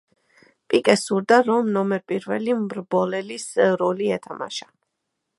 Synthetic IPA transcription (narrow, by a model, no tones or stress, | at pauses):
pʼikʼɛsuɾd̪aɾɔmnɔmɛɾpʼiɾvɛlimɾbɔlɛlisɾɔliɛt̪ʰama̰ʃa